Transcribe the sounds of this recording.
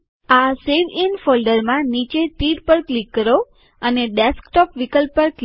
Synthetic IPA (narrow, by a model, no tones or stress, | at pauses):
aseʋinfolɖəɾmãnit͡ʃet̪iɾpəɾklikːəɾo | əneɖeskʈɔpʋikəlpəɾk